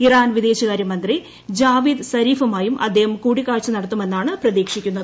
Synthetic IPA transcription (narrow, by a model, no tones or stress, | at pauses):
iraːnʋid̪eːɕɐɣaːɾjɐmɐnd̪ri | d͡ʑaːʋid̪sɐɾiːfɐmaːjumʔɐ̰d̪ʱːeːhɐmkuːɽikːaːɻt͡ɕːɨnɐɽɐt̪ːume̞nːaːɳɨprɐðiːkʂikʲːunːɐðɨ